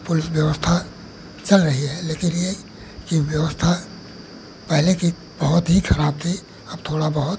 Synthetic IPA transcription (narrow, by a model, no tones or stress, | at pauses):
pʊlɪsʋjɐʋəst̪ʰa | t͡ʃɐlɾɐɦiɦɛleːkɪnje | kiʋjɐʋəst̪ʰa | pɛɦleki | b̥ɐɦʊt̪ɦixʰɐɾaːb̚t̪ʰi | ɐb̚t̪ʰoːɽabɐɦʊt̪